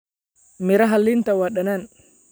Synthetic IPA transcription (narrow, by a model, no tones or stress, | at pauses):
miɾaɦalːint̪awaɗanan